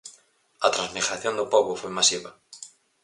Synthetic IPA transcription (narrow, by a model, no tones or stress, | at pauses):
ɐt̪ɾãnzmiɣɾaθjond̪ʊpoβʊfojmasiβɐ